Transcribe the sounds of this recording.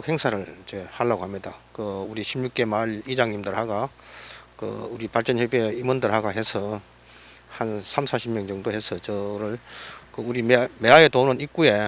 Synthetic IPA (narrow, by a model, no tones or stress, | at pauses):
khe̞ŋsʰaɾɯɭt͡ɕehaɭːaɡoɦhamɲidakɯuɾiɕʰibɲuk͈e̞malid͡ʑaŋɲimdɯɾhaɡa | kɯ̰uɾipaɭt͡ɕ͈ʌnçʌbeimʌndɯɭɦaɡaɦe̞sʰʌ | hansʰamsʰaɕʰibmjʌŋd͡ʑʌŋdoɦe̞sʰʌt͡ɕʌɾɯɭkɯuɾimme̞aetonɯnik͈uje